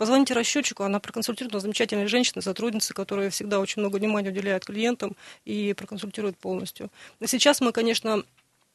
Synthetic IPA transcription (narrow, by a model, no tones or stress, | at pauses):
pəzvɐnʲitʲɪɾɐɕːot͡ɕːɪ̥kʊɐnapɾəkənsʊlʲtʲiɾʊɪt̪əzəmʲɪt͡ɕætʲɪlʲnəjʐɛnʲɕːɪnəjsɐt̪ɾudʲnʲɪt̪sɨ̥kɐt̪o̞ɾɨjəfsʲɪɡ̚d̪ao̞t͡ɕɪnʲmno̞ɡəvnʲɪmanʲɪjəʊdʲɪlʲæjʊt̪̚klʲɪje̞nt̪əmipɾəkənsʊlʲtʲiɾʊjɪt̪̚po̞lˠnəsʲtʲjʊsʲɪt͡ɕasmɨkɐnʲe̞ʂnə